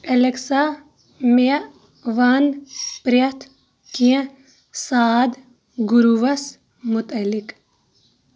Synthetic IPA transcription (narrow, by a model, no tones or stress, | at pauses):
eleksa | me | ʋɐnpɾjɐt̪ʰ | kiẽ | saːd̪ | ɡuɾuʋɐs | mut̪ɐlik